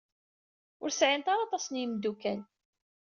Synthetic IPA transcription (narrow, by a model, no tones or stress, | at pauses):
ʊɾsʕɪnt̪ɑɾɑt̪ˤɑsnjəmd̪ukæl